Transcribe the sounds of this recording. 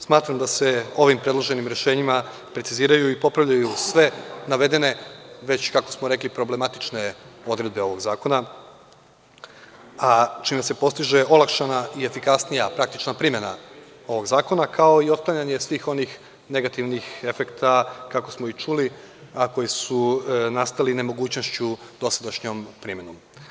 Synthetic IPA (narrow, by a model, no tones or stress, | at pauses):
smaːt̪ɾamd̪ase̞o̞ʋimpɾe̞d̪lˠoʒe̞nimɾeʃe̞ːɲima | pɾet̪siziːɾajuipo̞pɾaʋʎajusʋe̞naʋe̞d̪e̞ne̞ʋe̞t͡ɕkakosmo̞ɾe̞klipɾo̞ble̞mat̪i̥t͡ʃne̞o̞d̪ɾe̞d̪̚be̞o̞ʋo̞ɡzaːko̞na | at͡ʃiːmese̞po̞st̪iʒe̞o̞lˠakʃanaiefikasnijapɾak̚t̪it͡ʃnapɾime̞na | o̞ʋo̞ɡzaːko̞nakʰao̞io̞d̪̚klˠaɲaɲe̞sʋiːxo̞nix | ne̞ɡat̪iʋnixe̞fe̞kt̪akako̞smo̞it͡ʃuli | ako̞jisunast̪aline̞mo̞ɡuːt͡ɕno̞st͡ɕud̪o̞sad̪aʃɲompɾime̞nom